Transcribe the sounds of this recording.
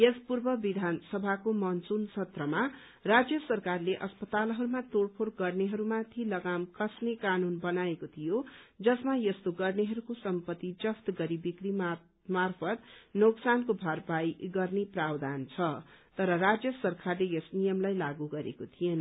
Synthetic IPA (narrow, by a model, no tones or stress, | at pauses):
jespurbʌbid̪ʱansʌbʱakomʌnt͡sunt͡sʰʌt̪rʌma | rad͡zjʌsʌrkarleʔʌspʌt̪alɦʌɾumat̪oɽpʰorɡʌrneɦʌɾumat̪ʰilʌɡamkʌsnekanunbʌnaekot̪ʰijod͡zʌsmajʌst̪oɡʌrneɦʌɾukosʌmpʌt̪ːid͡zʌft̪ɡʌɾibikɾi | marpʰʌt̪noksankobʱʌrbajɡʌrneprabd̪ʱant͡sʰʌt̪ʌɾʌɾad͡zjʌsʌrkarlejʌsnijʌmlajlaɡuɡʌɾḛkot̪ʰijenʌ